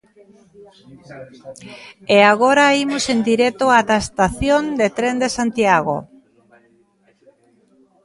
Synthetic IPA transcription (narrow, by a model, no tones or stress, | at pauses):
eaɣ̞oɾaimosend̪iɾɛt̪oat̪aest̪aθjond̪et̪ɾend̪esant̪jaɣ̞o̰